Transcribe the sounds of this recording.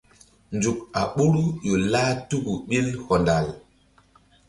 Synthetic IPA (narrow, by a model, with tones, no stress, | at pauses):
nd͡ʒu˨ka˨ɓu˦ɾu˦jo˨laː˦tu˦ɡu˨ɓi˦lhɔ˨nda˨l